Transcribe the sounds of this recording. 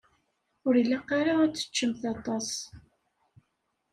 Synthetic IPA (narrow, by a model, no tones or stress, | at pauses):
ʊɾilːæqːaɾaæt͡sːə̥t͡ʃːəmθɑt̪ˤɑs